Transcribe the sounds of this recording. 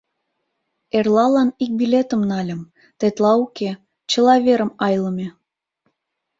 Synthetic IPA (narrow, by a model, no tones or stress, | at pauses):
erlɑlɑnik̚bilʲet̪ə̆mnɑlʲə̆m | t̪et̪lɑuke | t͡ɕəlɑβeɾə̆mɑjləmʲe